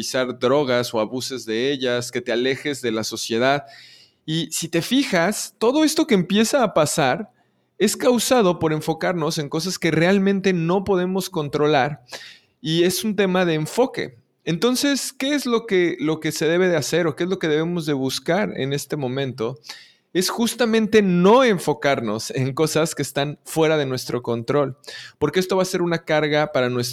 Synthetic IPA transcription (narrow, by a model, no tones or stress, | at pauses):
isaɾdɾo̞ɣ̞aso̞aβuse̞zðe̞e̞ʝaske̞t̪e̞ale̞xe̞zðe̞laso̞sje̞ð̞að | isit̪e̞fixast̪o̞ðo̞e̞st̪okeːmpje̞saːpasaɾ | e̞skawsað̞o̞po̞ɾe̞ɱfo̞kaɾno̞se̞ŋko̞s̬aske̞realmẽnt̪e̞no̞po̞ð̞e̞mo̞sko̞nt̪ɾo̞laɾ | ie̞sunt̪e̞mað̞e̞ːɱfo̞ke̞̰ | ent̪o̞nse̞ske̞ezlo̞kelo̞ke̞se̞ðe̞β̞e̞ð̞ease̞ɾo̞keezlo̞ke̞ð̞e̞β̞e̞mo̞zðe̞βuskaɾḛne̞st̪e̞mõ̞mẽ̞nt̪o̞ | e̞sxust̪amẽnt̪e̞no̞e̞ɱfo̞kaɾno̞̰se̞ŋko̞saskeːst̪anfwe̞ɾaðe̞nwe̞st̪ɾo̞ko̞nt̪ɾo̞lpo̞ɾke̞est̪o̞βase̞ɾunakaɾɣapaɾanwes